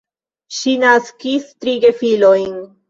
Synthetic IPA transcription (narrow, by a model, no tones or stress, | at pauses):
ʃinaskistɾiɡe̞filo̞jn